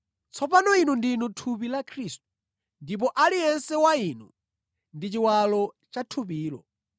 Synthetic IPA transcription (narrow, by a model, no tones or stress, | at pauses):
t͡sʰɔpanɔinundinutʰup̬ilakʰɾist̚u̥ | ndip̬ɔʔalijɛnsɛwainu | ndit͡ʃiwalɔ | t͡ʃatʰup̬iːlɔ̰